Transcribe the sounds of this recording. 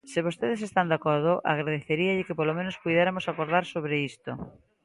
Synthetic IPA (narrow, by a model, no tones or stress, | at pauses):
sɪβost̪eðesest̪and̪akoɾð̞oʔa̰ɣɾaðeθeɾiaʎɪkepolomẽnospujðeɾamosakoɾðaɾsoβ̞ɾeist̪o